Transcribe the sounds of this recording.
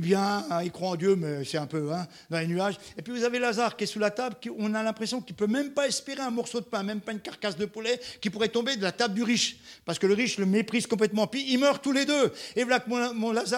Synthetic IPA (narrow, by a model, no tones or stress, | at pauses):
bjɛ̃ilkχwaɑ̃d̪jømɛsɛt̪ɛ̃pøɛ̃ | d̪ɑ̃lenyaʒepɥivuzavelazaʁkiɛsulat̪ablkiɔ̃nalɛ̃pχesjɔ̃kilpømɛmpaɛspeʁeɛ̃mɔʁsod̪əpɛ̃mɛmpaynkaʁkasd̪əpulɛkʲipuʁɛt̪ɔ̃bed̪əlat̪abd̪yʁiʃpaʁsə̥kələʁiʃləmepχiz̥kɔ̃p̬lɛt̪mɑ̃epiːlmœʁt̪uled̪øevalakəmɔ̃mɔ̃laza